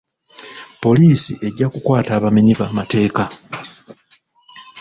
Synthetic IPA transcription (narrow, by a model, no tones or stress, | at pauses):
po̞liːsiʔe̞ɟːakukwaːtaːβameɲiβaːmate̞ːka